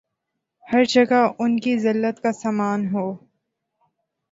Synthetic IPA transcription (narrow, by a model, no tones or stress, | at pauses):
hɐɾd͡ʒɐɡaʊnkizɪlːət̪kasaːmaːnɦoː